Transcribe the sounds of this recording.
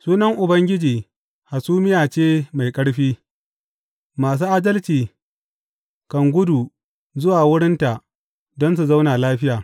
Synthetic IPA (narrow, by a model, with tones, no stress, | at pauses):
suː˦nɐ˦ŋʔʊ˨bɐ˦ŋɡʲɪ˦d͡ʒiː˨ | ha˨suː˦mɪ˦jaː˨t͡ʃeː˦ma˨jkʼɐ˦ɽɸiː˦ | maː˨s̬uː˦ʔa˦dɐ˦lt͡ʃiː˨ | kɐ˨ŋɡʷʊ˦du˨ | zʊ˦waː˨wʊ˦ɽɪ˦nta˨ʔ | dɔ˦ns̬u˨za˦wnaː˨laː˦ɸɪ˦jaː˨